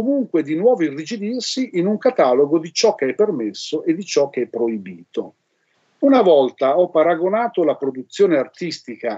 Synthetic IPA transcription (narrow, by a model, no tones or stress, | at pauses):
komuŋkwed̪inwɔːvoirːid͡ʒid̪irsiʔinuŋkat̪aloɡod̪it͡ʃɔkːeɛpːermesːoʔed̪it͡ʃɔk̟ːeɛpːɾoibiːt̪o | unavɔlt̪aɔpːaɾaɡonaːt̪olapɾod̪ut̪sːjoːneart̪ist̪ika